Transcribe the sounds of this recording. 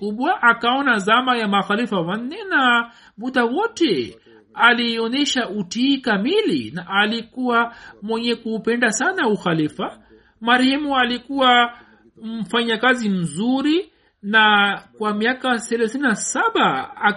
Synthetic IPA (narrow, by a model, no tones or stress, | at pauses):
kuɓwaʔakaɔnazamajamaxalifawan̩ːɛna | muɗawɔtɛ | aliɔnɛʃautiːkamilḭnaʔːlikuwamwɛɲɛkuːpɛndasanauxalifa | maɾɛhɛmualikuwa | m̩faɲakazim̩zuɾi | nakwamiakasɛlaθininasaɓaː